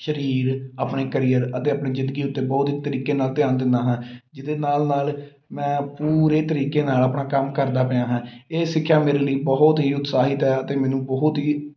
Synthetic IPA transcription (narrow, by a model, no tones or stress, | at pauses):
ʃəɾiːɾaːpɳeːkəɾiːəɾət̪eːapɳeːzɪ̃nd̪əɡiːʊt̪ːeːbɔːt̪ɦiːt̪əɾiːkeːnaːlt̪ɪjaːnd̪ɪnd̪aːɦãːd͡ʒɪd̪eːnaːlnaːl | mɛ̃ːpuːɾeːt̪əɾiːkeːnaːlaːpɳaːkəmkəɾd̪aːpəãːɦãːeːsɪkʰːjaːmeːɾeːləiːbɔːt̪ɦiːʊt̪saːɦɪt̪ɛːət̪eːmɛ̃ːnũːbɔːɦʊt̪ɦiː